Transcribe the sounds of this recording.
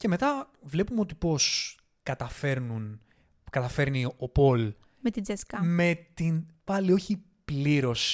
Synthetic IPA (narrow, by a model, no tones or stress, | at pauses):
ce̞me̞t̪ɐ | vle̞pumeo̞t̪ipo̞s | kɐt̪ɐfe̞ɾnun | kɐt̪ɐfe̞ɾniopo̞l | met̪id͡zeskɐme̞t̪inpɐlio̞çi | pliɾo̞s